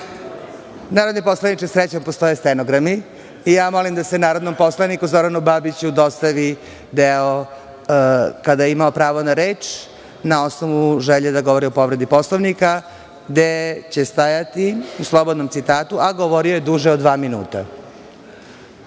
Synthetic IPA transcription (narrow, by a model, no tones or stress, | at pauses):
naːɾod̪nipo̞slˠanit͡ʃesɾet͡ɕompost̪o̞jest̪enoɡɾamiː | jaːmo̞limd̪asenaːɾod̪no̞mpo̞slˠanikuzo̞ɾanubaːbit͡ɕud̪o̞st̪aʋi | d̪eo | kad̪ajeimaopɾaːʋonaɾeːt͡ʂ | nao̞snoʋuʒeʎed̪aɡo̞ʋoɾio̞po̞ʋɾe̞d̪ipo̞sloʋnika | ɡd̪et͡ɕe̞st̪ajat̪iuslˠobod̪no̞mt̪sit̪aːt̪uʔaɡoʋoɾiojed̪uʒeod̪ʋaːminṵːt̪a